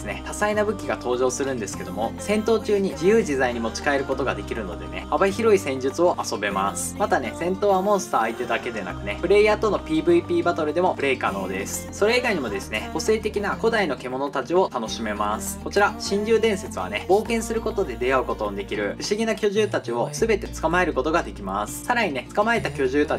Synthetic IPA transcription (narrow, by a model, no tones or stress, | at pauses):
sɨne̞h̪asainabɯ̟kʲiɡat̪o̞ːʑo̞ːsɨɾɯ̟̃nd̪e̞sɨ̥ke̞d̪o̞̰mo̞sẽ̞nt̪o̞ːt͡ɕɨːɲ̟id͡ʑijɯ̟ːʑizaiɲ̟imo̞t͡ɕi̥kae̞ɾɯ̟ko̞t̪o̞ɡad̪e̞kʲiɾɯ̟no̞̰d̪e̞̰ne̞̰habaçiɾo̞isẽ̞ɲ̟d͡ʑɨt͡sɨo̞ʔaso̞be̞ma̰sɨ̥mat̪ane̞sẽ̞nt̪o̞ːβamõ̞ɰ̃sɨ̥t̪aːit̪e̞d̪ake̞d̪ena̰kɯ̟ne̞pɯ̟ɾe̞jaːt̪o̞no̞pʲiːbɯ̟ipʲiːbat̪oɾɯ̟d̪e̞mo̞pɯ̟ɾe̞ikano̞ːd̪e̞sɨ̥so̞ɾe̞iɡaiɲ̟imo̞d̪e̞sɨne̞ɡ̥o̞se̞ːt̪e̞kʲinako̞d̪aino̞ke̞mo̞no̞t̪at͡ɕio̞t̪ano̞ɕime̞masɨ̥ko̞t͡ɕiɾaɕĩɲɾʲɨːd̪ẽ̞ɰ̃se̞t͡sɨβa̰ne̞bo̞ːkẽ̞ɰ̃sɨɾɯ̟ko̞t̪o̞d̪e̞d̪e̞aɯ̟ko̞t̪o̞d̪e̞kʲiɾɯ̟ɸɯ̟ɕiɡʲinakʲo̞ʑɨːt̪at͡ɕio̞sɨbe̞t̪e̞t͡sɨ̥kamae̞ɾɯ̟ko̞t̪o̞ɡad̪e̞kʲimasɨ̥saɾaɲ̟ine̞t͡sɨ̥kamae̞t̪akʲo̞ʑɨːt̪a